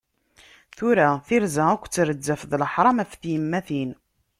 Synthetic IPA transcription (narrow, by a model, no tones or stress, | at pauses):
θuɾaθiɾzæækʷːt͡sːɾəd͡zːəfðləħɾˤɑmæfθjəmːæθin